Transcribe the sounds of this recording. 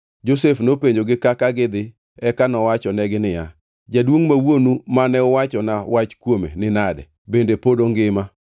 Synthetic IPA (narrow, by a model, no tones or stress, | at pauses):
d͡ʒosefnopeɲd͡ʒoɡɪkakaɡɪd̪ɪ | ɛkanɔwat͡ʃɔnɛɡɪnɪja | d͡ʒadwoŋmawonumanɛʊwat͡ʃɔnawat͡ʃkwomḛnɪnadɛ̰ | bendepodoŋɡɪma